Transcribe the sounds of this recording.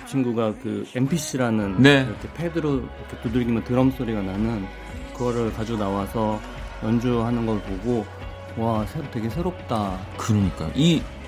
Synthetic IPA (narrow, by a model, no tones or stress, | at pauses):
t͡ɕʰinɡuɡakɯempʰiɕʰiɾanɯnneiɾʌkʰe̞pʰedɯɾoiɾʌkʰet͈udɯɭɡimjʌntɯɾʌms͈ʰoɾiɡananɯn | kɯɡʌɾɯɭkad͡ʑonawasʰʌ | jʌnd͡ʑuɦanɯnɡʌɾɯɭpoɡo | wasʰeote̞ɡe̞sʰe̞ɾop̚t͈a | kɯɾʌɲik͈aʔi